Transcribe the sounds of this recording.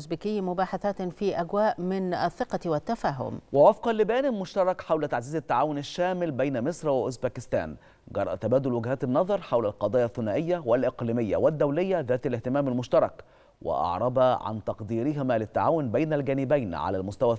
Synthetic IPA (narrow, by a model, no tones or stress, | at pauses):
sbiːkɪjːmʊbaːħaθaːt̪fiːʔæɡwaːʔmɪnæθːɪqɑwɪt̪ːafaːɦʊ̰mwɪwɑfqɑlːɪbæːnɪmʊʃt̪ɑɾˤɑkħawlæt̪aʕziːzɪt̪ːaʕaːwʊnɪʃːæːmɪlbæjnæmɪsˤɾwɪʔʊsbæːkɪst̪æ̰ːn | ɡɑɾˤːɑ̰ʔt̪æbæːd̪ʊlwɪɡhæːt̪ɪnːɑðˤɑɾˤħawlælqɑd̪ˤɑːjɑθːʊnæːʔɪjːæwɪlʔɪqliːmɪjːæ̰wɪd̪ːæwlɪjːæðæːt̪ælɪht̪ɪmæːmælmʊʃt̪ɑɾˤɑk | wɪ̰ʔɑ̰ʕɾˤɑbɑʕa̰nt̪ɑqd̪iːɾɪɦɪmælɪt̪ːaʕaːwʊnbæjnælɡæːnɪbæjnʕa̰lælmʊst̪æwæ